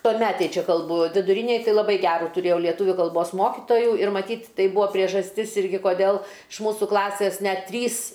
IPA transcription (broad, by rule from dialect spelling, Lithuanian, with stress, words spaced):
tuɔˈmʲæːtʲeːj ˈt͡ʃʲɛ kɐlˠˈbʊ ʋʲɪdʊˈrʲiːnʲeːj ˈtɐɪ lˠɐˈbɐɪ ˈɡʲæːruː tʊˈrʲeːjɛʊ lʲiɛˈtʊʋʲʊ kɐlˠˈboːs ˈmoːkʲɪtoːjʊ ɪr mɐˈtʲiːtʲ ˈtɐɪ ˈbuɔ pʲrʲiɛʒɐsʲˈtʲɪs ˈɪrʲɡʲɪ koːˈdʲɛlˠ ɪʃ ˈmuːsuː ˈklˠɑːsʲeːs ˈnʲɛt ˈtʲrʲiːs